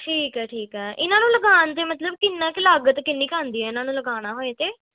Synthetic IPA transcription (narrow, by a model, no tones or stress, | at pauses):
ʈʰiːkɦɛːʈʰiːkɦɛːʔɪnaːnũːləɡaːnt̪eːmət̪ləb̚kɪnːãːkɪlaːɡət̪kɪnːiːkaːnd̪iːɛːɪnãːnũːləɡaːɽ̃aːɦoːeːt̪eː